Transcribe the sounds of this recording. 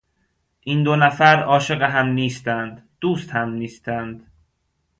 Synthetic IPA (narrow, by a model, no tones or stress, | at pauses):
ʔind̪onæfæɾɒːʃe̞ɣeɦæmniːst̪ænd̪d̪̥uːst̪hæmniːst̪ʰænd̪̥